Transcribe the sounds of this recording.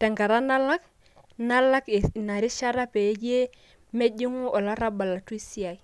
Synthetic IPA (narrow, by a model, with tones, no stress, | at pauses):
tɛ˨ŋɡa˨ɾa˦na˦la˦k | na˦la˦kna˨ɾi˦ʃa˦ɾa˦pe˨˦d͡ʒe˦ | me˦d͡ʒi˦ŋu˦ɔ˨la˦ɾa˦ba˨la˨tu˦i˦si˦a˨j